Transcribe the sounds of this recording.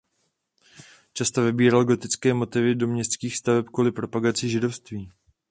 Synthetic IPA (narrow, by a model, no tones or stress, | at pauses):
t͡ʃast̪ovɪbiːɾalɡo̞t̪ɪt͡skɛːmo̞t̪ɪvɪdo̞mɲɛst̪t͡skiːxst̪avɛpkvulɪpɾo̞paɡat͡sɪʒɪdo̞fst̪viː